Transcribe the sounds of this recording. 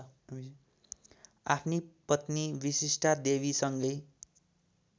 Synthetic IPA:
apʰnipʌt̪nibisisʈʰad̪eβisʌŋɡʌj

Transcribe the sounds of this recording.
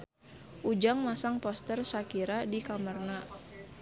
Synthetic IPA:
ʔud͡ʒaŋmasaŋpɔst̪ərsakiɾadikamərna

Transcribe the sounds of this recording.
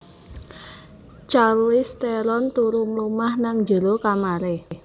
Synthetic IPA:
t͡ʃarwist̪eɾɔnt̪uɾumlumahnaŋd͡ʒə̤lokamaɾe

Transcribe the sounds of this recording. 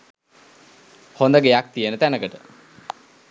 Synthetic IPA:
hond̪əɡejak̚t̪ijənət̪ænəkəʈə

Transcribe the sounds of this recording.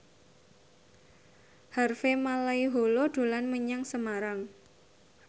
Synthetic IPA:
harfemalaiɦoloɖ̥o̤lanməɲaŋsəmaɾaŋ

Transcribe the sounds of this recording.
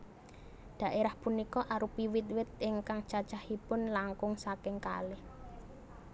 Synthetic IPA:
d̪̥a̤ʔeɾahpunikɔʔaɾupiwɪt̪̚wɪt̪̚ɪŋkaŋt͡ʃat͡ʃahipʊnlaŋkʊŋsakɪŋka̰lɪh

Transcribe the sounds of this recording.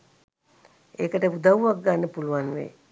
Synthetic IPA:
ekəʈəud̪aʋʋak̚ɡanːəpuluʋanʋḛ

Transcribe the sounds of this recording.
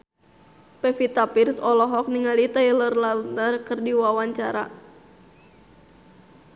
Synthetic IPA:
pɛfit̪apirsɔlɔɦɔk̚niŋalit̪ajlərlanərkɨrdiwawaɲt͡ʃaɾa̰

